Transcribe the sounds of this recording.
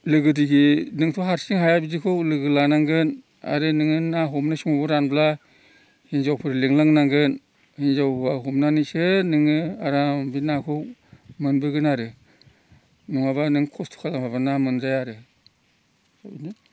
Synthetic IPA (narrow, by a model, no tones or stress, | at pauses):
lɯɡɯdiɡinɯŋtʰɔɦaɾsiŋɦajabidikʰɯwlɯɡɯlanaŋɡɯn | a̰ɾɯnɯŋɯnaɦumnasiŋabɔɾanbla | hinzawpʰɯɾleŋlaŋnaŋɡɯn | hinzawaɦumnanisɯnɯŋɯaɾambinakʰɯwmɯnbɯɡɯnaɾɯ | nuŋaβanɯŋkʰɔstʰu̥kʰalaŋbabanamɯnzajaɾɯ | ni